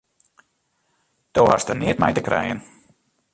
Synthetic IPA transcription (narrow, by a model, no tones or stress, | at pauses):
d̥owɦa̰stəniətmɛ̰jtəkrɛ̰jə̰n